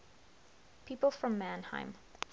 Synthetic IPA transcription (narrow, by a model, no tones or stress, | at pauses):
pʰipl̩ˠfɹʌ̃mːæ̃nhã̰ɪ̃m